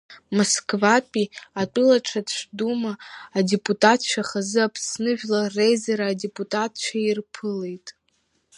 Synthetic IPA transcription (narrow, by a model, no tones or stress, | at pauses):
moskʼvapʼiatʼɨlaʈ͡ʂʰaʂʷʰdumaːdepʼutʼatʰʃʷᶣaχazɨapʰsnɨʒᶣlarejzaɾaːdepʼutʼatʰʃʷᶣairpʰɨle̞jtʼ